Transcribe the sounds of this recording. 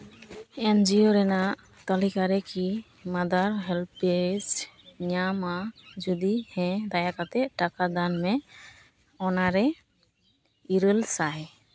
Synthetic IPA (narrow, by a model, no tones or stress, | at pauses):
ɛnd͡ʒioɾɛnaʔ | t̪alikaɾɛki | mad̪aɾɦɛlpesɲamad͡ʒud̪ihɛ̃d̪ajakat̪ɛʈakad̪anmɛ | ɔnaɾɛ | iɾəlsaj